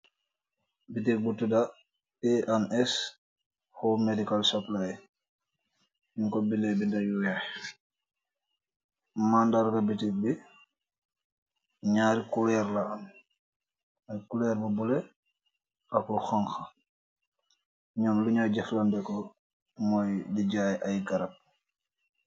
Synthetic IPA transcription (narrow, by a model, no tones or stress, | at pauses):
bitik̚butːuda | ɛʔanɛs | hɔmedikalsɐplaj | iŋkɔbilɛbindɐjuja | mandaɾkɐbitik̚bi | ɲaːɾikulɛɾlɐɐn | ɐkulɛɾmɐbɔlɛ | ɐkluxɔŋxɐ | ɲɔmluɲaɟɛflɐndɛkɔ | mɔjdiɟaːjʔɐjɡɐɾɐp̚